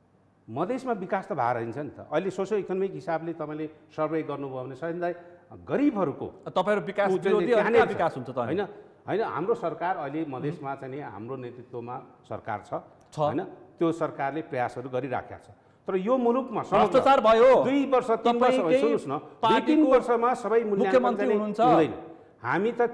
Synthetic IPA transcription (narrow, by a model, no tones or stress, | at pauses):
mʌd̪ʱesmabikast̪ʌbʱaɾʌɦint͡sʰʌnit̪ʌ̰ʔʌɦilesosjʌlekʌnʌmikɦisablet̪ʌpãĩlesʌrbʌjɡʌrnubʱʌebnesʌʌnd̪ajɡʌɾibʱɦʌɾuko̰t̪ʌpãj̃ɾubikasuʌeianebikasɦũnt͡sʰʌt̪ʌãɦʌ̰jnʌ | ɦʌjnʌɦa̰mrosʌrkarʌɦilemʌd̪ʱesmat͡sajneɦa̰mronet̪rit̪womasʌ̰rka̰rt͡sʰʌ | t͡sʰʌ̰jnʌt̪josʌrkarleprʌjasɦʌɾuɡʌɾiɾa̰kʰja̰t͡sʰʌ̥̃ | t̪ʌɾʌjomulukmasʌʌst̪arbʱʌjod̪ujbʌrsʌt̪nbʌrsʌbʌsʰuusnʌp̪ut̪inbʌrsʌmasʌbʌjmulmjajʌmntaiunuɦunt͡sʰʌɦũnd̪ʌjnʌ̰ | hamit̪ʌ